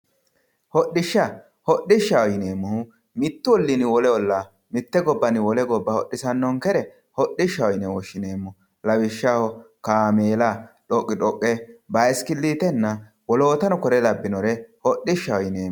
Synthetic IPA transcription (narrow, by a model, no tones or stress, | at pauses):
hɔɗːɪʃːɐ | hɔɗːɪʃːɐwɔjɪneːmːʊhʊ | mɪt̪ːʊwɔlːɪnɪwɔlɛɔlːa | mɪt̪ːɛɡɔbːɐnɪwɔlɛɡɔbːɐhɔɗːɪsɐnːɔŋkɛɾɛ | hɔɗɪʃːɐwɔjɪnɛwɔʃːɪneːmːʊ | lɐwɪʃːahɔ | kaːmeːlaᶑɔkʼːɪᶑɔkʼːɛbɐjskɪlːiːt̪ɛnːɐ | wɔlo̞ːt̪ɐnɔkɔɾɛlɐbːɪnɔɾɛhɔɗːɪʃːɐwɔjneː